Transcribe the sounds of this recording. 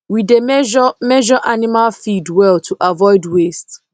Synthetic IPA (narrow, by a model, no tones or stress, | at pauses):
widemɛʒɔmɛʒɔʔanimalfidwɛltʰuʔavɔɪdwest